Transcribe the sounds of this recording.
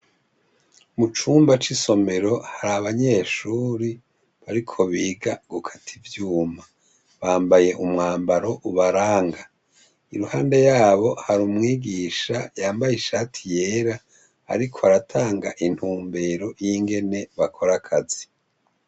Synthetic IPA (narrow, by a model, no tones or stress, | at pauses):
mut͡ʃuːmbat͡ʃiso̞me̞ɾo̞haɾaβaɲe̞ːʃuɾi | βaɾikʰo̞βiːɡaɡ̥ukʰḁtʰivjuːma | βaːmbaje̞ʔumŋaːmbaɾo̞ʔuβaɾaːŋɡa | iɾuhaːnde̞jaːβo̞haɾumŋiːɡiːʃajaːmbajiʃaːtʰije̞ːɾa̰ː | ɾikʰo̞aɾatʰaːŋɡaʔin̥huːmbe̞ɾo̞jiŋɡe̞neβakʰo̞ɾakʰazi